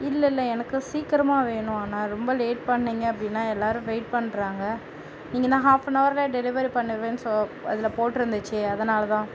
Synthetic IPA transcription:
ɪlːɐɪlːɐɛnɐkːɯsiːkɾɐmaːʋeːɳʊ̃aːnaːɾɔmbɐleːʈ̚pɐɳːiːŋɡɐɐpːɐɽɪnːaːɛlːaːɾɯ̃ʋeɪʈ̚pɐɳːɾaːŋɡɐ | nĩːŋɡɐt̪ãːɦaːfnɐʋɐɾleːɖɛlɪʋɐɾipɐɳːɪɾʋẽːnsoɐ̰ðɪlɐpoːʈːɪɾɯnd̪ɯt͡ʃːɯɐðɐnaːlɐt̪ãː

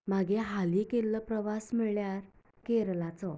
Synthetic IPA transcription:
m̤aɡeɦalikelːəpɾəʋasmɛɭjaɾ | keɾlat͡sɔ

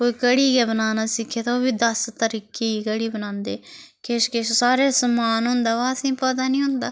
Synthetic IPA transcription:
koːiːkəɽiːɡɛːbənaːnaːsɪkʰːeːt̪aoːbiːd̪əst̪əɾiːkeːiːkəɽiːbənãːnd̪eːkeʃkeʃsaːɾeːsəmaːnɦʊ̃nd̪aːʋaːsĩːpət̪aːnĩːɦʊnd̪aː

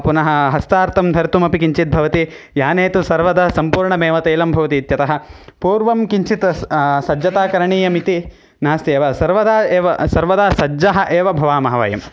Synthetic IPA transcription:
punɐɦɐ̆ɦɐst̪aːɾt̪ʰɐmd̪ʱɐɾt̪umɐpikiɲt͡ʃit̪̚bʱɐʋɐt̪i | jaːneːt̪usɐɾʋɐd̪ɐɐsɐmpuːɾɳɐmeːʋɐt̪eːlɐmbʱɐʋɐt̪iːt̪jɐt̪ɐɦɐ̆puːɾʋɐmkiɲt͡ʃit̪ɐsɐd͡ʒɐt̪aːkɐɾɐɳiːjɐmit̪i | naːst̪eːʋɐsɐɾʋɐd̪aːeːʋɐsɐɾʋɐd̪aːsɐd͡ʒɐɦɐ̆ʔeːʋɐbʱɐʋaːmɐɦɐʋɐ̰jɐ̰m

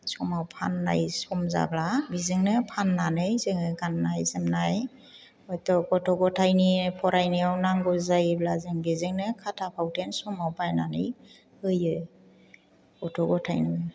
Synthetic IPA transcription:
sɔmawpʰa̰nːa̰jsɔmza̰blabizɯŋnɯpʰanːanɯjzɯŋɯɡanːajzɯmnaj | ɔjtɔɡɔtʰɔɡɔtʰajnipʰɔɾajniawnaŋɡɔzajblazɯŋbizɯŋnɯkʰatʰapʰawtʰensɔmawpajna̰nɯj | hɯjɯ | ɡ̥ɔtʰɔɡɔtʰajnɯ

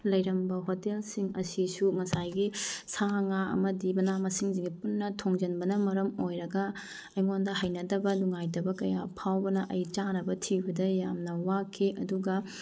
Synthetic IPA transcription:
lɐjɾɐmbɐɦotelsiŋɐsisuŋɐsajɡisaŋaɐ̰mɐdimɐnamɐsiŋsiŋɡipunːɐtʰoŋd͡ʒɐnbɐnɐmɐɾɐmojɾɐɡɐ | ɐjŋondɐɦajnɐdɐbɐnuŋajdɐbɐkɐjapʰawbɐnɐʔɐjt͡ʃanɐbɐtʰibɐdɐjamnɐwakʰːeʔɐduɡɐ

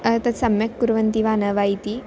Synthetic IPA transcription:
ɐt̪ɐsɐmjɐkːuɾʋənt̪iʋanəʋajt̪i

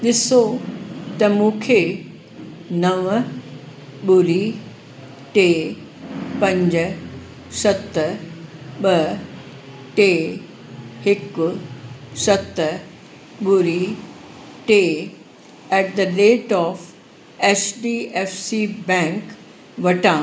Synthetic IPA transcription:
d̪ɪsot̪ɐmũːkʰe | nɐʋ | ɓuɾi | ʈeː | pɐ̃ɲd͡ʒ | sɐt̪ːə | ɓə | ʈe | hɪk | sɐt̪ | ɓuɾi | ʈe | ɛʈ̚d̪əɾeːʈɔːf | ɛsɖiːefsibɛ̃ŋk | ʋɐʈãː

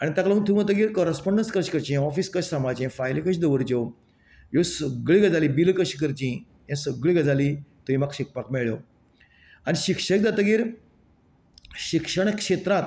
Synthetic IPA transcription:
añit̪aklaũnt̪ʰũat̪̬əɡiːɾkɔɾəspɔɳɖənskəɾɕkəɾt͡ɕĩɔfiːskəɕsamat͡ɕɛ̃fajlkəɕd̪əʋəɾd͡ʑew | josəɡɭiɡəd͡zalibilkəɕikəɾt͡ɕĩ | jãsəɡɭiɡəd͡zalit̪uĩmakɕik̚pakmɛɭo | aniɕikʂək̚d̪at̪əɡiːɾ | ɕikʂəɳ̃kʂet̪ɾat̪̚

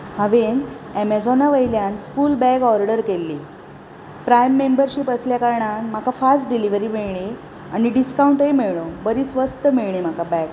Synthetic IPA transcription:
haʋen | ɛmed͡zɔnaʋəjljanskuːlbɛɡɔɾɖəɾkelːi | pɾajmːembəɾɕiːpəsljakaɾɳanm̤akafasʈɖiliʋəɾiːmiɭɳe | a̰ñiɖiskaũɳʈemeɭɭobəɾiːsʋəst̪əmiɭɳem̤akabɛɡ

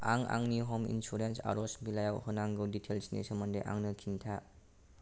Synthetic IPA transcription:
aŋa̰ŋniɦɔmḭnsuɾensa̰ɾɔsbilajawhɯnaŋɡɯwditʰelsnḭsəmandejʔa̰ŋnɯkʰintʰa

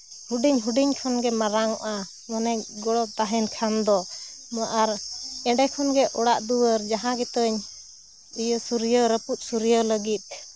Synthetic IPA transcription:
huɖiɲɦuɖiɲkʰɔnɡɛmaɾaŋɔ̰ʔa | mənɛɡɔɽɔt̪aɦɛnkʰand̪ɔmɔʔaɾɛ̃ɖɛkʰɔnɡɛʔɔɽaʔd̪uwəɾd͡ʒaɦãɡɛt̪əɲ | ijəsuɾjəɾəput̪̚ˀsuɾjələɡit̪̚

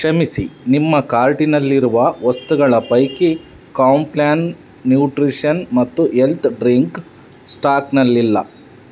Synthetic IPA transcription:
kʂɐmisinimːɐkaːɾʈinɐlːiɾuʋɐʋɐst̪uɡɐɭɐpɐjki | kaːwmplaːnː | juːʈɾiʂɐnmɐt̪ːuelt̪ʰɖɾiŋk | sʈaːknɐlːilːɐ̰

